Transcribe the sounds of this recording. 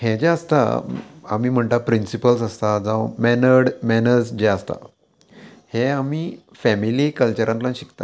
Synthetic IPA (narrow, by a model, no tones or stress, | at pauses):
hɛd͡ʑɛəst̪a̰a̰miːm̤əɳt̪apɾinsipəls̬əst̪ad͡zãwmɛnəɽmɛnəɾd͡zd͡ʑɛəst̪a̰ | heamiː | fɛmilikəlt͡ɕəɾãnt̪lãnɕi̥kt̪a̰